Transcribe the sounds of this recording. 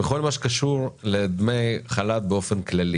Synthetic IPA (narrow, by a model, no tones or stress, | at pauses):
eχo̞lmaʃekaʃuʁled̪mejχalat̪̚beo̞fenklali